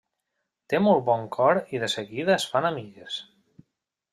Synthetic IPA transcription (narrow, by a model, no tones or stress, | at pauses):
t̪emɔlˠbɔŋkʰɔɾiðəsəɣiðəːsfanamiʎes